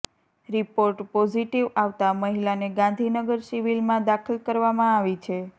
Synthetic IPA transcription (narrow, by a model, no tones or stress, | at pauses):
ɾipoɾʈpɔd͡ʒiʈiʋaʋt̪aməɦilaneɡãnd̪ʱinəɡəɾsiʋilmãd̪akʰəlkəɾʋamãaʋit͡ʃʰe